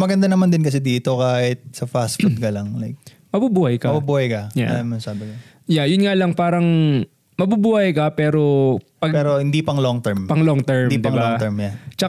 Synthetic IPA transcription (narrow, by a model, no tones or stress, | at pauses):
mɐɡɐnd̪anɐmand̪ɪnkɐsɛd̪iːt̪o̞kaːhɪt̪̚sɐfasfud̪̚kɐlɐŋlajk̚ | mɐbubuːhɐjkɐmɐbubuːhɐjkɐja̰lamnɐsaːbɪkɐ | jajʊnŋalɐŋpaːɾɐŋ | mɐbubuːhɐjkɐpɛːɾo̞pɐɡɛɾohɪnd̪ipɐŋloŋt̪ɛmpɐŋloŋt̪ɛɹmid̪ɪŋbaɛɹmjat͡ʃɐ